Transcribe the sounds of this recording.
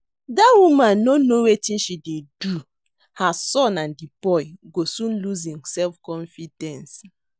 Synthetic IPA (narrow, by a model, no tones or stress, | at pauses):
dawumãnːonowetĩnʃidedu | hasɔ̃nãndibɔɪɡosũnluzĩmsɛlfkɔ̃nfidɛ̃ns